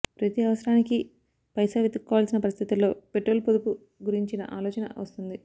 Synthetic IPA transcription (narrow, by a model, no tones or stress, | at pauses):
pɾɐt̪iɐʋɐsɐɾaːniki | pɐjsaːʋit̪ukːɔːʋaːlsinɐpɐɾist̪ʰit̪ulo̞ːpe̞ʈɾo̞ːlpod̪upu | ɡuɾiɲt͡ʃinɐ̰ʔaːlɔːt͡ʃɐnɐ̰ʋɐ̰st̪und̪i